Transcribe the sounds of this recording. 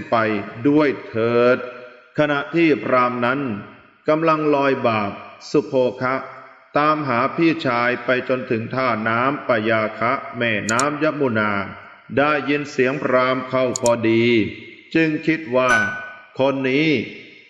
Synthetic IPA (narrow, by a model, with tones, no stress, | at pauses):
pa˧jdu˥˩əjt̪ʰɤː˨˩t̪̚kʰa˧na˨˩ʔt̪ʰiː˥˩pɾaː˧mna˦˥n | ka˧mla˧ŋlɔː˧jbaː˨˩p̚su˨˩pʰoː˧kʰa˦˥ʔ | t̪aː˧mɦaː˩˦pʰiː˥˩t͡ɕʰaː˧jpa˧jt͡ɕo˧nt̪ʰɯ˩˦ŋt̪ʰaː˥˩naː˦˥mpa˧jaː˧kʰa˦˥ʔmɛː˥˩naː˦˥mja˦˥muː˧˩naː˧ | daː˥˩jːi˧nsi˩˦əŋpɾaː˧mkʰa˥˩wpʰɔː˧diː˧t͡ɕɯ˧ŋkʰi˦˥t̪̚waː˥˩kʰo˧nːiː˦˥